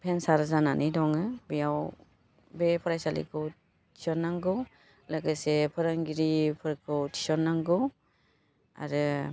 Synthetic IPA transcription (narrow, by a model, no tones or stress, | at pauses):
pʰensaɾzananʔijdɔŋɯbijaw | bepʰɔɾajsalḭkʰɯw | tʰi̥sɔnːaŋɡɯw | laɡɯsepʰɯɾaŋɡiɾipʰɯɾkʰɯwtʰi̥sɔnːaŋɡɯw | a̰ɾɯ